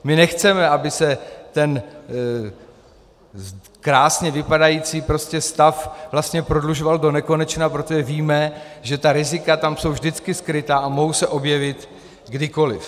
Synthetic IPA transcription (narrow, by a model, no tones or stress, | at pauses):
mɪnɛxt͡sɛmɛʔabɪsɛt̪ɛn | kɾaːsɲɛvɪpadajiːt͡siːpɾo̞scɛst̪afvlast̪ɲɛpɾo̞dluʒo̞valdo̞nɛko̞nɛt͡ʃnapɾo̞t̪o̞ʒɛviːmɛ | ʒɛt̪aɾɪzɪkat̪amso̞wvʒdɪt͡skɪskɾɪt̪aːamoɦowsɛʔo̞bjɛvɪt̪ | ɡdɪko̞lɪf